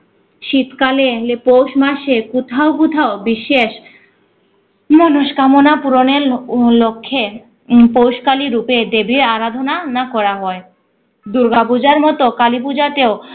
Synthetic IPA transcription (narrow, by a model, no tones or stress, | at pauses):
ʃit̪kalelepowʃmaʃekut̪ʰaokut̪ʰaobiʃːeʃ | monoʃkamonapuɾoneɾlokʰːe | powʃkaliɾuped̪ebieaɾad̪ʱonanakɔɾaɦɔe | d̪uɾɡabud͡ʑaɾmɔt̪okalipud͡ʑat̪eo